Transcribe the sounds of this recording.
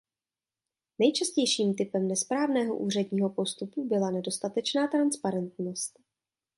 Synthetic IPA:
nɛjt͡ʃascɛjʃiːmt̪ɪpɛmnɛspɾaːvnɛːɦo̰ʔuːrɛdɲiːɦo̞po̞st̪upubɪlanɛdo̞st̪at̪ɛt͡ʃnaːt̪ɾanspaɾɛnt̪no̞st̪

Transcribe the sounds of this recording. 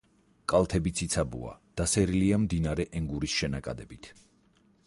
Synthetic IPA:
kʼalˠt̪ʰɛbit̪sʰit̪sʰabṵa̰d̪̥asɛɾiliamd̪inaɾɛʔɛŋɡuɾisʃɛnakʼa̰d̪ɛbit̪ʰ

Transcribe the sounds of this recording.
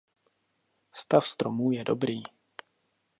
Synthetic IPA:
st̪afst̪ɾomuːjɛdo̰bɾiː

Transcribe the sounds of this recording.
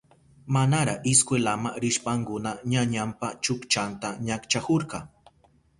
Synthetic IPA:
manaɾaɪskwelamaɾɪʃpaŋkʊnaɲaɲampat͡ʃʊkt͡ʃant̪aɲakt͡ʃakoɾqɑ

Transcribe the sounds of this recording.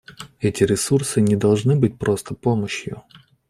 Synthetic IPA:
ɛtʲɪɾʲɪsursɨnʲɪd̪ɐlˠʐnɨbɨt̚ʲpɾo̞st̪əpoməɕjʊ̰

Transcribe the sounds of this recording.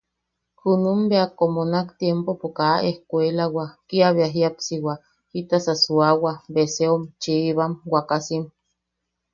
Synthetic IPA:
kunumbeakːomonakt̪jempopokaʔehkʷelawakiaβeaɦiapsiwa | hit̪asasuawabeseomt͡ʃiːβamwakasim

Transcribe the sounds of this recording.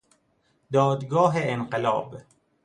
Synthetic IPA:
d̪ɒːd̪ɡɒːɦeenqelɒ̰ːb

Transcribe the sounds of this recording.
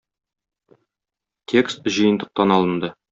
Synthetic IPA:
t̪ʲʰe̞kst̪̚ʑɤ̆jə̆nd̪ɤ̆q̚t̪ɑnɒlˠɤ̆nd̪ɤ

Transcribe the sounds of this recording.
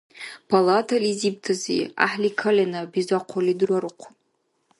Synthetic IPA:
pʰalatʰalizib̚tʰazḭa̰ħlikʰalʲanɨbizaqʷʰalidrwaɾɨqʷʰʊ

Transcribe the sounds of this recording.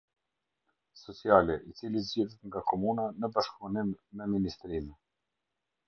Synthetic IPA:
sɔt͡sialɛʔit͡silizd͡ʑɛðɛt̪ŋɡakʰɔmunanəbaʃkɾunimmɛminist̪ɾimɛ

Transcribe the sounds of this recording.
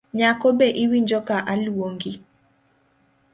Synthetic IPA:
ɲakɔbeʔiwiɲd͡ʒɔkaʔalwoŋɡi

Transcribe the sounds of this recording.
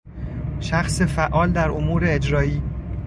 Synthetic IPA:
ʃæxsefæʔɒːld̪æɾomuːɾeːd͡ʒɾɒːiː

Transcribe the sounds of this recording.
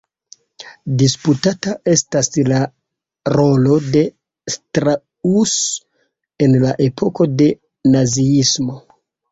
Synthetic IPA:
disputatae̞stasla | ɾo̞lo̞de̞ | stɾa | us | e̞nlaʔe̞pʰo̞ko̞de̞ | naziismo̞

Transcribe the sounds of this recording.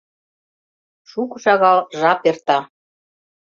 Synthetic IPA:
ʃukɤʃɑɣɑlʒɑpert̪ɑ

